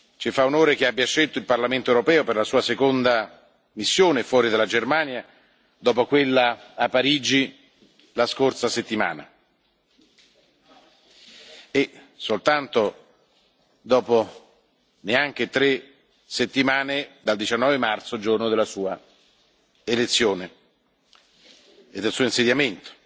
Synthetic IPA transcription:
t͡ʃifaunoːɾek̟eabːjaʃelt̪oilparlament̪oewɾopɛːoperlasuːasekond̪a | misːjoːnefwɔːɾid̪alːad͡ʒermaːnja | d̪ɔːpokwelːaːpːaɾiːd͡ʒi | laskorsaset̪ːima̰ːna̰ | e | solt̪ant̪o | d̪ɔːpo | neaŋk̟et̪ɾe | set̪ːimaːned̪ald̪it͡ʃanːɔːvemart̪sod͡ʒornod̪elːasuːa | elet̪sːjoːne | ed̪ːelsuːoinsed̪jament̪o̥

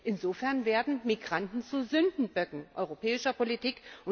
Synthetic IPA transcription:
ʔɪnzoːfɛɐnveːɐdn̩miɡʁantn̩t͡suzʏndn̩bœɡŋ̩ʔɔʏʁopʰɛːɪʃɐpolitiːkʔʊ

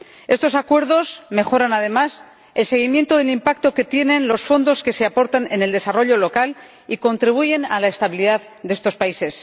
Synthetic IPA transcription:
e̞st̪o̞sakwe̞ɾðo̞sme̞xo̞ɾanað̞e̞mas | e̞lse̞ɣ̞imje̞nt̪oðe̞limpak̚t̪o̞ke̞t̪je̞nẽ̞nlo̞sfo̞nd̪o̞ske̞se̞apo̞ɾt̪ane̞neld̪e̞saro̞ʎo̞lo̞kal | iko̞nt̪ɾiβ̞uʝe̞nalae̞st̪aβiliðað | d̪eest̪o̞spaise̞s

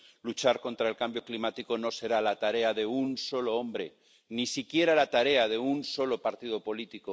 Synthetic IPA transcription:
lut͡ʃaɾko̞nt̪ɾae̞lkambjo̞klimat̪iko̞no̞se̞ɾalat̪aɾe̞aðe̞unso̞lo̞o̞mbɾe̞ | nisikje̞ɾalat̪aɾe̞að̞e̞unso̞lo̞paɾt̪ið̞o̞po̞lit̪iko

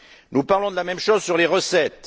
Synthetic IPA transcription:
nupaʁlɔ̃d̪əlamɛmʃozsyʁleʁəsɛt̪

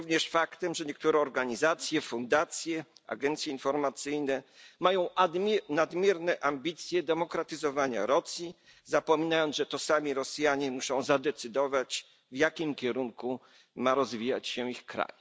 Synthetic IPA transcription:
uvɲɛʂfakt̪ɛmʐɛɲɛkt̪uɾɛɔɾɡaɲizat̪sʲjɛfund̪at̪sʲjɛa̰ɡɛnt̪sʲjɛinfɔɾmat̪sɘjnɛmajɔ̃w̃nad̪mʲjɛɾnɛʔambʲit̪sʲjɛd̪ɛmɔkɾat̪ɘzɔvaɲa̰ɾɔsʲji | zapɔmʲinajɔnʐɛt̪ɔsamʲiɾɔsjaɲɛmuʂɔ̃w̃zad̪ɛt̪sɘd̪ɔvat͡ɕ | vjakʲimkʲɛɾuŋku | maɾɔzvʲija̰t͡ɕɕɛixkɾa̰j

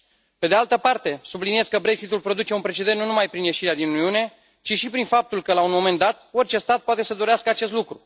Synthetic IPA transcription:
pe̞d̪ealt̪əpart̪e̞sublinije̞skəbɾe̞ksit̪ulpɾo̞d̪ut͡ʃe̞unpɾe̞t͡ʃe̞d̪e̞nnunumajpɾinje̞ʃiɾead̪inuniune̞ | t͡ʃiʃipɾinfap̚t̪ulkəlaunmo̞me̞nd̪at̪̚o̞rt͡ʃe̞st̪at̪̚poat̪e̞səd̪o̞ɾeaskəat͡ʃe̞s̬t̪lukɾu

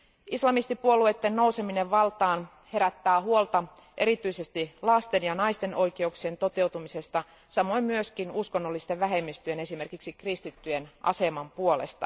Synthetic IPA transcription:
islɑmist̪ipuolue̞t̪ːenno̞use̞mineʋʋɑlt̪ɑːn | he̞ɾæt̪ːæːhuolt̪ɑ | ʔe̞ɾit̪yisest̪ilɑst̪enjɑnɑist̪e̞nʔo̞ikeuksient̪o̞t̪e̞wt̪umise̞st̪ɑ | sɑmo̞immyøskinuskonːolːist̪eʋʋæɦe̞mːist̪yene̞sime̞rkiksikrist̪it̪ːyjenʔɑ̰se̞mɑmpuolest̪ɑ

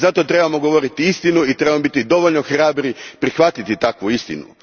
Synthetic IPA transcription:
zat̪o̞t̪ɾe̞bamo̞ɡo̞ʋo̞ɾit̪iist̪inuit̪ɾe̞bamobit̪id̪o̞ʋoʎnoxɾaːbɾipɾixʋat̪it̪it̪akʋuist̪ḭnṵ

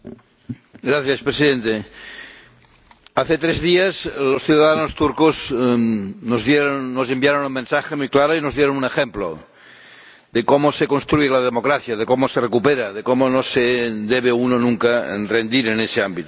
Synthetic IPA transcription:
ɡɾaθjaspɾesiðent̪e | aθet̪ɾezðiazlosθjuðaðanost̪uɾkoz | nozðjeɾonːosembjaɾonunmensaxemujklaɾoinozðjeɾonunexemplo̰ | d̪ekomosekonst̪ɾujelað̞emokɾaθjað̞ekomoserekupeɾaðekomonosed̪eβ̞eunonũŋkare̞nd̪iɾeneseambit̪o

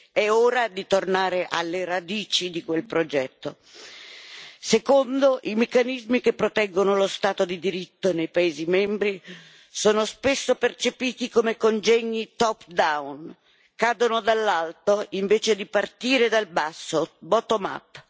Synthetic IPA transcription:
ɛoːɾad̪it̪ornaːɾeʔa̰lːeɾad̪iːt͡ʃid̪ikwelpɾod͡ʒɛt̪ːo | sekond̪oʔimekːanizmikepːɾot̪ɛɡːonolost̪aːt̪od̪id̪iɾit̪ːonejpaeːzimɛmbɾi | soːnospesːopert͡ʃepiːt̪ikomekond͡ʒɛɲːit̪ɔpd̪awn | kaːd̪onod̪alːalt̪oiɱveːt͡ʃed̪ipart̪iːɾed̪albasːobɔːt̪oma̰pː

